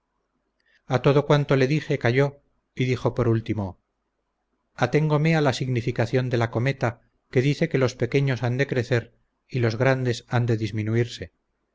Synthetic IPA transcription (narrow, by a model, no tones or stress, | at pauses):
at̪o̞ðo̞kwant̪o̞le̞ðixe̞kaʝo̞ | iðixo̞po̞ɾult̪imo̞ | at̪e̞ŋɡo̞mealasiɣnifikaθjo̞nd̪e̞lako̞me̞t̪a | ke̞ðiθe̞ke̞lo̞spe̞ke̞ɲo̞sand̪e̞kɾe̞θe̞ɾ | ilo̞zɣɾand̪e̞sand̪e̞ðizmĩnuiɾse̞